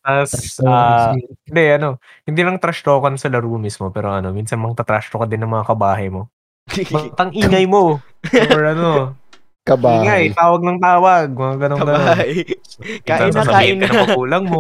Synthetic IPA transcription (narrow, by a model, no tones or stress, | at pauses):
ɐsaːɪnd̪ɛʔɐno̞ | hɪnd̪iːlɐŋt̪ɾɐʃt̪oːkɐnsɐlɐɾuːmɪsmo̞pɛːɾo̞ʔɐno̞minsɐnmɐŋt̪at̪ɾa̰ʃt̪okɐd̪ɪnːɐŋmɐŋakɐbaːɦɐjmo̞ | mɐt̪ɐŋʔiːŋɐjmo̞ | oɹʔɐno | kɐbaːŋɐjt̪aːwɐɡ̚nɐŋt̪aːwɐɡ̚mɐŋaɡɐnoɡɐn | kaʔɐɪaɐaɪnnɐmɐɡuːlɐŋmo